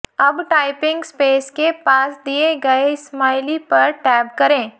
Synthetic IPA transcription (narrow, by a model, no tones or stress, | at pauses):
ɐbʈaːɪpɪ̃ŋɡspeːskepaːsd̪ieɡɐesmaːɪlipɐɾʈɛːbkɐɾẽː